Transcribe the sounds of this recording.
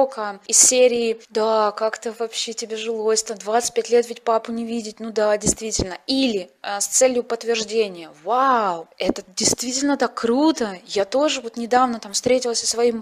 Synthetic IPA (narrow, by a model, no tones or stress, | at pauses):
okəɪsʲsʲeɾʲɪːd̪akakt̪əvɐpɕːetʲɪbʲeʐɨlˠo̞sʲt̪əd̪vat̪sɨ̥t̚ʲpʲætʲlʲet̪vʲɪtʲpapʊnʲɪvʲidʲɪtʲnud̪adʲɪjst̪vʲitʲɪlʲnəilʲɪst̪sɛlʲjʊpət̪ːvʲɪrʐdʲenʲɪjəvawɛt̪ədʲɪjst̪vʲitʲɪlʲnət̪akːɾut̪əjat̪o̞ʐɨvo̞t̪nʲɪd̪avnət̪amfst̪ɾʲetʲɪlˠəsʲəsvɐim